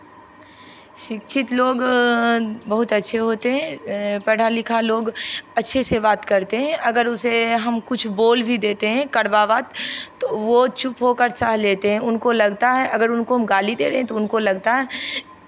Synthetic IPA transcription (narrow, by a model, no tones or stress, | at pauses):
ʃɪkʃʰɪt̪loːɡ | bɐɦʊt̪ɐtːʃʰeɦoːt̪eɦɛ̃pɛʈʰalɪkʰaloːɡɐtːʃʰesebaːt̪kɐɾt̪eɦɛ̃ʔɐɡəɾʊseɦɐmkʊt͡ʃʰboːlbʱid̪eːt̪eɦɛ̃kɐɽʋaːʋaːt̪ːoʋot͡ʃʊpɦokəɾsəɦleːt̪eɦɛ̃ʊnkolɐɡt̪aɦɛʔɐɡəɾʊnkoɦɐmɡaːlid̪eːɾɐɦɛ̃t̪oʊnkolɐɡt̪aɦɛː